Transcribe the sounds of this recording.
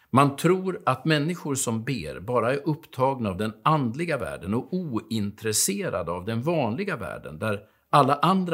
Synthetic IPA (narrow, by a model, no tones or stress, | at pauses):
mant̪ʰɾuːɾat̪mɛnːɪɧʊɾʂɔmbḛːɾbɑːɾaæɾʔɵpːt̪ʰɑːɡnaːvd̪ɛnand̪lɪɡavæ̰ːɖənɔkuːɪnt̪ɾɛseːɾa̰d̪əavd̪ɛnvɑːnlɪɡavæ̰ːɖə̰nd̪æɾ | alːaʔand̪ɾ